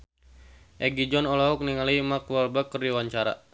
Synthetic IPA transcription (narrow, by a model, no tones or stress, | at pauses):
ʔɛɡid͡ʒɔnɔlɔɦɔk̚niŋalimakuwalbakəriwaɲt͡ʃaɾa̰